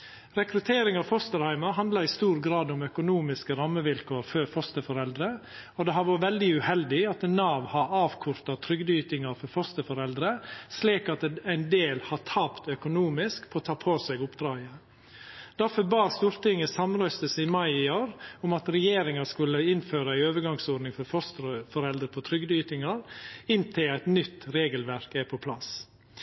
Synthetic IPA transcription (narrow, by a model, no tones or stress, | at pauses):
ɾɛkɾʉt̪ʰeːɾɪŋɑʋfɔst̪əɾhæɪmɑɦɑnd̪lɑɪst̪uːɾɡɾɑːd̪ʊmœkʊnuːmɪskəɾɑmːəʋɪlkʰoːɾfœɾfɔst̪əfɔɾɛld̪ɾə | ɔd̪ɛɦɑɾʋɔːɾʋɛld̪ɪʉhɛld̪ɪɑt̪nɑːʋhɑɾɑːʋkʰʊɾt̪ɑt̪ʰɾʏɡd̪yːt̪ɪŋɑfɔɾfɔst̪əfɔɾɛld̪ɾəsliːkɑt̪æɪnd̪eːlhɑt̪ʰɑːpt̪œkʊnuːmɪskpʰoɔt̪ʰɑːpʰoːsɛɡʊpd̪ɾɑːɡə | d̪̥æɾfɔbɑːst̪uːɾt̪ɪŋːəsɑmɾœst̪əsəɪmɑɪɪoːɾʊmɑt̪ɾɛjeːɾɪŋɑskʉlːəɪnføːɾəæɪøːʋəɾɡɑŋsɔːɖnɪŋfɔɾfɔst̪əɾəfɔɾɛld̪ɾəpʰɔt̪ʰɾʏɡd̪yːt̪ɪŋɑɾɪnt̪ʰɪlæɪt̪nʏt̪ːɾeːɡəlʋæɾkæpʰɔpʰlɑs